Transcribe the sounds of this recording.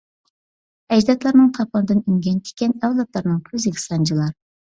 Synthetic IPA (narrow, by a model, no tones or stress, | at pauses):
ɛd͡ʒd̪ɑt̪lˠɑɾnɨŋt̪ʰɑpɑnd̪ɨnyŋɡʲɛnt̪ʰɪ̥kʲɛnɛwlˠɑt̪lˠɑɾnɨŋkʲʰøzɪkʲi̥sɑnd͡ʒʰilˠɑɾ